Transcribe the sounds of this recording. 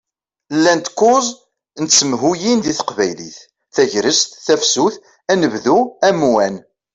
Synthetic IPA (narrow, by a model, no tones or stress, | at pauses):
lːænt̪kːʊzˤ | nət͡sːəmɦujind̪iθə̥qvæjlḭθ | θæʝɾəst̪θæfsuθ | ænəvðuæmwæn